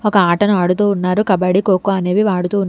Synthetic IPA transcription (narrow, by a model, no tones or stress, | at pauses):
ɔkɐaːʈɐnuaːɽut̪̬uːunːaːɾukɐbɐɽikoːkuɐne̞ːʋiʋaːɽut̪uːun